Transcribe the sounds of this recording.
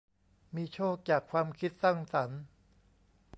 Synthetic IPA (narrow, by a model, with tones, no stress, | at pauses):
miː˧t͡ɕʰoː˥˩k̚t͡ɕaː˨˩kʰwaː˧mkʰi˦˥t̪̚sa˥˩ŋsa˩˦n